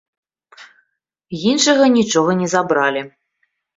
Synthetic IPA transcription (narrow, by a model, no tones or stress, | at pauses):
jinʂɐɣɐnʲit͡ʂɔɣɐnʲɛzabɾalʲi